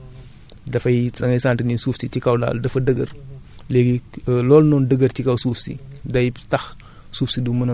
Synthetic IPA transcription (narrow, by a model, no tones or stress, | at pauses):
dɐfɐjsɐŋɐjsaːntininsuːfsitikɐwda̰ldɐfɐdəɡɐrleɡilɔːlnɔndəɡəɾtikɐwsuːfsḭdɐjtɐx | suːfsidumɐnɐ